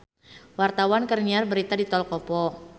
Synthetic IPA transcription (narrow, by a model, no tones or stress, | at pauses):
wart̪awankərniarbəɾit̪adit̪ɔlkɔpɔ